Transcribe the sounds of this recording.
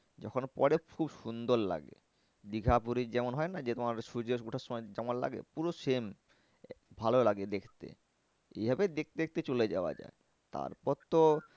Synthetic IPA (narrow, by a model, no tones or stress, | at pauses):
d͡ʑɔ̰kʰonpɔ̰ɾekʰubʃund̪oɾla̰ɡḛ | d̪iɡʱʰapuɾid͡ʑɛmonɦɔenad͡ʑet̪omaɾʃud͡ʑeoʈʰaʃːɔmɔed͡ʑɛmonla̰ɡḛpuɾoʃem | bʱalolaɡed̪ekʰt̪ḛ | ḛjbʱabed̪ek̚t̪ed̪ek̚ʰt̪et͡ɕoled͡ʑa̰oa̰d͡ʑa̰e | t̪a̰ɾpɔɾt̪o